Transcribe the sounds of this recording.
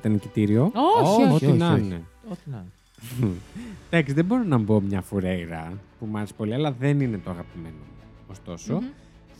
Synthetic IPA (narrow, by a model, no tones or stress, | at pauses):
it̪ɐnecit̪iɾio̞oooinɐneo | d̪̥ɐksiðebo̞ɾonɐmbo̞mɲɐfuɾe̞ɣɾɐpumɐɾspo̞liɐlɐðe̞nine̞t̪o̞ɐɣɐpime̞noː | st̪o̞so̞